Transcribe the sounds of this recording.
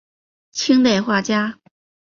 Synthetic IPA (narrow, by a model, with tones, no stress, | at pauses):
t͡ɕʰi˥ŋt̪e˥˧ɪxwa˥˩t͡ɕja˥